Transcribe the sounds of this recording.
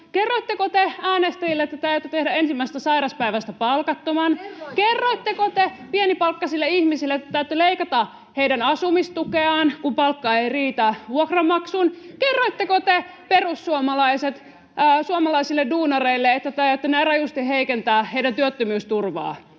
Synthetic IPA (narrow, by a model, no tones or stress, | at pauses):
kerːoit̪ːekot̪eæːnest̪æjilːeet̪ːæt̪æyt̪ːyt̪ehdæensimːæses̆t̪æsɑiɾɑspæiʋæst̪æpɑlkɑt̪ːomɑnkerːoit̪ːekot̪epienipɑlkːɑsilːeihmisilːet̪ːæt̪æyt̪ːyleikɑt̪ɑ | heidænɑsumist̪ukeɑːnkumpɑlkːɑeijriːt̪æʋuokrɑmɑksunkerːoit̪ːekot̪eperusːuomɑlɑiset̪ː | suomɑlɑisilːeduːnɑreilːeet̪ːæt̪æøt̪ːynærɑjust̪iheikent̪æːheijdænt̪yøt̪ːømyːst̪urʋɑ̰ː